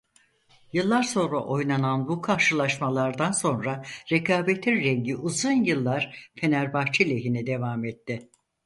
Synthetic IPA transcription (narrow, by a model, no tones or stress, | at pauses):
jɯlˠːaɾso̞nɾa̰ʔo̞jnananbukʰaɾʃɯlˠaʃmalˠaɾd̪anso̞nɾaɾekʰaːbet̪ʰiɾɛɲɟiʔuzunjɯlˠːaɾ̥fe̞næɾbaxt͡ʃʰilʲeɦinid̪e̞vaːmɛt̪ʰːɪ